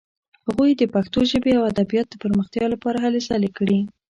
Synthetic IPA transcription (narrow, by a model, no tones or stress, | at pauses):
haɣujd̪əpaxt̪oʒəbeawad̪abijɑt̪̚d̪əpəɾməxt̪jɑlapɑɾaɦalesalekɽi